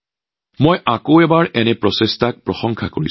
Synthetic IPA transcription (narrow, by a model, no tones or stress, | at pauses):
mojʔakoɛbaɹɛnɛpɹɔsestʰak̚pɹɔsɔŋkʰakoɹḭ